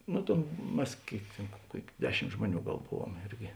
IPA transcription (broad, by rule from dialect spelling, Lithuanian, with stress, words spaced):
ˈnʊ tʲeːn ˈmʲɛs ˈkʲeːɪk tʲeːn ˈkuɔkʲ ˈdʲæːˌʃʲɪmt ˈʒmuɔˌnʲuː ˈɡɐlˠ ˈbʊʋuɔm ˈɪrʲɡʲɪ